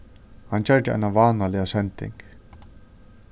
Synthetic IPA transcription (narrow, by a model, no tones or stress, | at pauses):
hant͡ɕɛɹd̪ɪa̰jnaʋaːnalɪasɛnt̪ɪ̰ŋk